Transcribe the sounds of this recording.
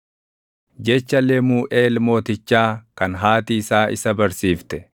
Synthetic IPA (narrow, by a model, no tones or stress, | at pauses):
d͡ʒɛt͡ʃːɐlːeːmuːʔeːlmo̞ːt̪ɪt͡ʃːaːkɐnɦaːt̪iːsaːʔɪ̰sɐbɐɾsiːft̪ɛ